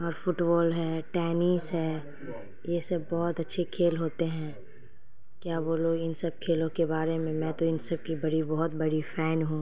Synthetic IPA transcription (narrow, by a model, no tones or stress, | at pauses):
ɔːɾfʊʈbɔːlɦɛʈɛːnisɦɛː | jesɐbbɔːʊt̪ɐtːʃʰekʰeːlɦoːt̪eɦɛ̃ː | kjaːboːloɪnsɐb̚kʰeːlõkebaːɾemẽmɛ̃ːt̪oɪnsɐb̚kibɐɽibɔɦʊt̪̚bɐɽifʰɛːnɦũː